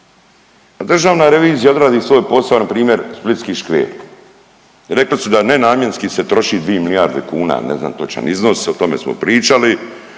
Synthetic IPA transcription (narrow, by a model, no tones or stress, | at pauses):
ad̪r̩ʒaːʋnaːɾe̞ʋiːzijao̞d̪ɾaːd̪iːsʋo̞ːjpo̞saonapɾiːmʲje̞ɾsplit̪skiːʃkʋḛːɾ | ɾe̞klisud̪ane̞naːmjenskise̞t̪ɾo̞ʃid̪ʋijemiliaːɾd̪ekuːna̰nezna̰ːmt̪ot͡ʃa̰nizno̞sot̪o̞mḛsmo̰pɾiːt͡ʃali